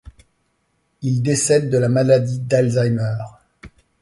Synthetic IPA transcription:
ild̪esɛd̪ːəlamalad̪id̪alzajmœːʁ

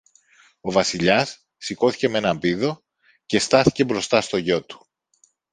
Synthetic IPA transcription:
o̞vɐsiʎɐsː | iko̞θi̥ce̞mee̞nɐmbiðo̞ | ce̞st̪ɐθi̥ce̞bɾo̞st̪ɐst̪o̞ʝo̞t̪u̥

